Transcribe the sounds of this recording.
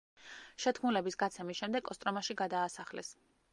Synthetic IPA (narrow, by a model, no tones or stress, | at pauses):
ʃɛt̪ʰkʰmulɛbisɡat̪sʰɛmisʃɛmd̪ɛkʼɔst̪ʼɾɔmaʃiɡad̪aːsaχlɛ̰s